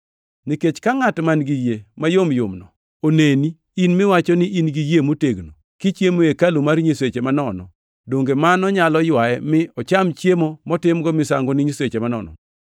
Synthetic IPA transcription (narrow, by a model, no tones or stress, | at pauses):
niket͡ʃkaŋatmanɡijemajomjʊmnɔ | oneni | inmɪwat͡ʃɔnɪʔinɡijemoteɡno | kit͡ʃjemoekalumaɾɲiswet͡ʃemanɔnɔ̰ | doŋɡemanɔɲalɔjwajɛmɪɔt͡ʃamt͡ʃjemomɔtɪmɡɔmɪsaŋɡonɪɲiswet͡ʃemanɔ̰nɔ̰